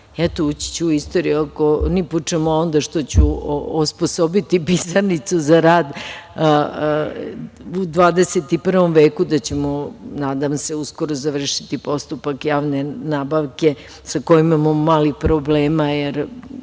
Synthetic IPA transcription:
ɛt̪out͡ɕi̥t͡ɕuist̪o̞ɾiokoniput͡ʂemoo̞nd̪aʃt̪ot͡ɕuosposobit̪ipisanit̪suzaɾaːd̪ | ud̪ʋaːd̪e̞set̪ipr̩ʋo̞mʋeːkud̪at͡ɕe̞monaːd̪amseuskoɾozaʋr̩ʃit̪ipo̞st̪upakjaːʋne̞naːbaʋke̞ | sakojimamomaːlixpɾobleːmajeɾ

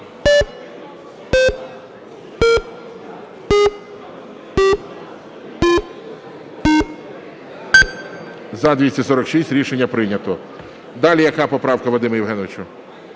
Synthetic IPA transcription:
zɐd̪ʲʋʲisʲtʲɐsɔɾɔkʃisʲtʲɾʲiʃenʲːɐpɾɪnʲɐt̪ɔ | d̪ɑlʲijɐkɑpɔpɾɑwkɐʋˠɔd̪ɪmɐjiwɦɛnɔʋɪt͡ʃʊ

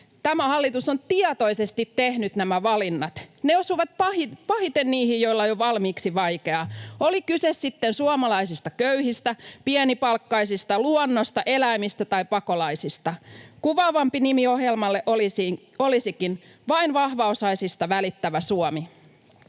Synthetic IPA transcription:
t̪æmæhɑlːit̪usont̪iɑt̪oisest̪it̪ːehnyt̪næmæʋɑlinːɑt̪neosuʋɑt̪̚pɑhipɑhit̪enniːhijjoilːɑjoʋɑlmiːksiʋɑjke̞ɑolikysessit̪ːensuɑmɑlɑisist̪ɑkøyhist̪æpiɛnipɑlkːɑisist̪ɑluɔnːost̪ɑʔelæimist̪æt̪ɑipɑkolɑisist̪ɑkuʋɑːʋɑmpinimioɦjelmɑlːeʔos | olisikin | ʋɑinʋɑhʋɑosɑisist̪ɑʋælit̪ːæʋæsuɔmi

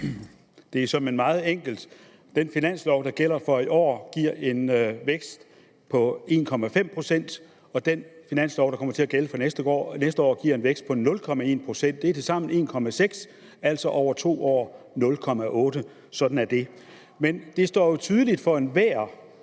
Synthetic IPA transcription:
d̥e̝æɐsɒ̽me̝nmɑ̈ːð̞̩ˠeŋ̰ɡ̥l̩d̥ | d̥enfinæn̰slɒʊd̥ɑ̈ɡ̥el̰ɐfɒ̽iɒ̰ːɡ̥iɐ̰e̝nʋeɡ̥sd̥ | pʰɒ̽e̝̰ːnkʰɒ̽mæfem̰pʰʁo̝sen̰d̥ | ɒ̽d̥enfinæn̰slɒʊɾ̥ɑkʰɒ̽m̰ɐt͡sʰe̝æɡ̥eləfɒ̽nesd̥əɡ̥ɒ̰ːnesd̥əɒ̰ːɡ̥iɐe̝nʋeɡ̥sd̥̚pʰɒ̽nɔ̽lkʰɒ̽mæe̝̰ːnpʰʁo̝sen̰d̥e̝ɐ̥esɑ̈m̰n̩e̝̰ːnkʰɒ̽mæseɡ̥s | æl̰sɒ̽ʔɒʊ̰ɐt͡sʰo̝̰ːɒ̰ːnɔ̽lkʰɒ̽mæʔɔ̽ːɾə | sɒ̽d̥n̩æɐd̥e̝ | mend̥e̝sd̥ɒ̰ːjo̝t͡sʰyːð̞ˠəlid̥fɒ̽e̝nʋæɐ

